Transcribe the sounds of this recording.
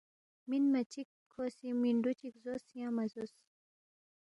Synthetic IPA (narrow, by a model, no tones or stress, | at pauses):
minmɐt͡ʃikʰːosimiɳɖut͡ʃikzosjãmɐzus